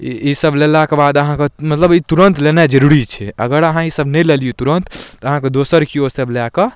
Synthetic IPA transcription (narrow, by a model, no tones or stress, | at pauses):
ḭisəblelakebad̪əɦãkemət̪ləbit̪uɾənt̪lenad͡ʒəɾuɾit͡ʃʰɛʔə̰ɡəɾəɦãisəbnɛleliut̪uɾənt̪əɦãked̪osəɾkiosəblake